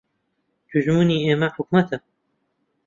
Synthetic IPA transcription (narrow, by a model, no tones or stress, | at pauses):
d̪̥uʒmuːniːeːmɐħʊk̚mɐt̪ʰɛ